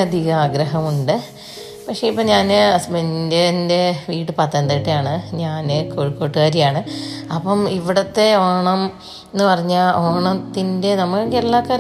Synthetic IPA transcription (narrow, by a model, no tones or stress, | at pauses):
ɐd̪ʱiɣɐaːɡɾɐɦɐmuɳɖɨ | pɐkʂeipːoɲaːnɐsmendende̞ʋiːʈːɨpɐt̪ːɐnd̪ɐʈːɨjaːɳɨɲaːnɨkoːɻikːo̞ːʈːɨɣaːɾijaːɳɨɐpːɐmiʋiɽɐt̪ːe̞oːɳɐm | eenːɨpɐrɐɲːaːloːɳɐt̪ːinde̞nɐmɐkːɐkːelːaːkːɐɾ